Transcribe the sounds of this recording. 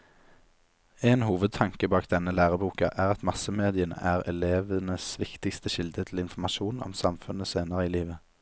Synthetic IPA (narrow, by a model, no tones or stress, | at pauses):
eːnhuːʋəd̪̚t̪ʰɑŋkəbɑːk̚d̪ɛnəlæːʁəbuːkɑ̰ʔæːʁɑt̪mɑsəmeːd̪ɪənə̰ʔæːʁɛleːʋənəsʋɪkt̪ɪkst̪əʃɪld̪ət̪ʰl̩ɪnfɔmɑʃuːnɔ̰msɑmfʉnəseːnəʁəiːliːʋə